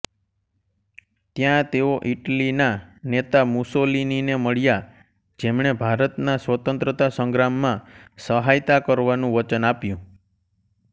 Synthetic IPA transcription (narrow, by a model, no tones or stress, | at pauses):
t̪jãt̪eoʔiʈlinanet̪amusolinineməɭja | d͡ʒemɳebʱaɾət̪nasʋət̪ə̃nt̪ɾət̪asə̃ŋɡɾamːãsəɦajt̪akəɾʋanũʋət͡ʃənapjũ